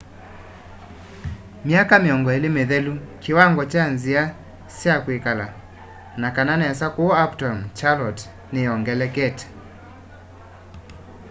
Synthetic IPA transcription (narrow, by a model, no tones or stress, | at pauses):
mjakameɔŋɡɔelemeðɛlukewaŋɡɔt͡ʃanzia | sjakwekala | nakananɛsakoɔaptɔmt͡ʃalɔt | nejɔŋɡɛlɛkɛtɛ̥